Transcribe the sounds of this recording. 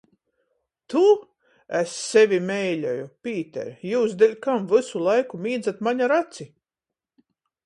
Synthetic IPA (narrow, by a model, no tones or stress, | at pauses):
t̪u | esːɛvʲimɛjlʲɔjupʲiːt̪ɛ̰ɾjuːsd̪elʲkamvɨsulˠajkumʲiːd̪zat̪maɲaɾat̪si